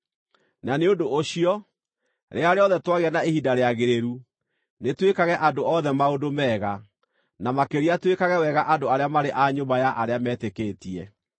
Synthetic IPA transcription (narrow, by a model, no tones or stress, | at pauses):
naneodooɕiɔ | ɾeaɾeɔðɛtwaɣeanaehidaɾeaɣeɾeɾu | netwekaɣɛʔadoɔðɛmaodomɛːɣa | namakeɾiatwekaɣɛwɛɣaʔadoaɾeamaɾeʔaɲombajaʔaɾeamɛːtekeːtiɛ